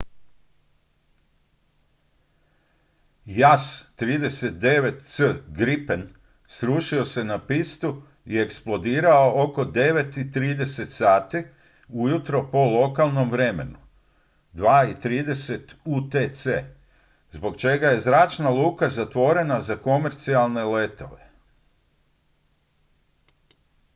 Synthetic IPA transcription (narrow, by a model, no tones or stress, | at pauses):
jast̪ɾiːd̪e̞se̞t̪̚d̪e̞ʋe̞t̪səɡɾipen | sɾuːʃio̞se̞napist̪u | ie̞ksplˠo̞d̪iːɾao̞ʔoko̞d̪e̞ʋe̞t̪it̪ɾiːd̪e̞se̞t̪saːt̪i | ujut̪ɾo̞po̞lo̞kalˠno̞mʋɾe̞me̞̰nu | d̪ʋaːit̪ɾiːd̪e̞se̞t̪ut̪et̪se | zbo̞kt͡ʃe̞ɡaje̞zɾaːt͡ʃnalˠuːkazat̪ʋo̞ɾe̞nazako̞me̞ɾt̪sialˠne̞le̞t̪o̞ʋe̞